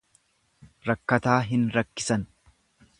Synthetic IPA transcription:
ɾɐkːɐt̪aːɦɪnɾɐkːɪsɐn

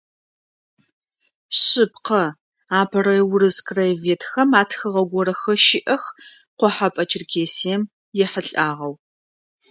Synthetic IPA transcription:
ɕɪp̚qɐ | aːbʰɐɾɐwʊɾɨzkʼrɐjɛveːtʰxɐmaːtxɨʁɐɡʷɔɾɐxɐʃɪʔɐx | qʷɔħapʼɐt͡ʃʰɪrkʰeːsiɛm | jɛħəɬʼaːʁɐw

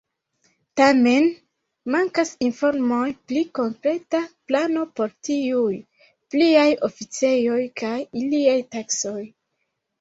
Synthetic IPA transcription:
tame̞n | maŋkasinfo̞ɾmojpliko̞ŋkɾe̞taplano̞po̞ɾtiuj | pliajo̞fit͡se̞jo̞jkajiliajtakso̞j

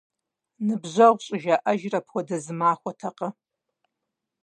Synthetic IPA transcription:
nɨbʑʷɐʁʷɕʼɪʒɐʔɐʒrɐpʰwʷɔdɐzɨmaːxʷɔtʰɐqɐ

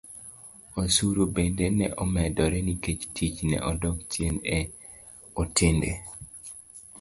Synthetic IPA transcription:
osuɾubendenɛʔɔmɛdɔɾɛniket͡ʃtʰit͡ʃnɛ̰ʔɔdɔktjene | otʰɪndḛ

